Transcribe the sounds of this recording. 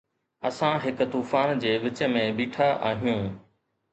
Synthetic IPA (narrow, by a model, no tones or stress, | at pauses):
ɐsãɦɪkt̪uːfaːnd͡ʑeːʋɪt͡ɕəmẽbiːʈʰaʔa̰ːɦijũː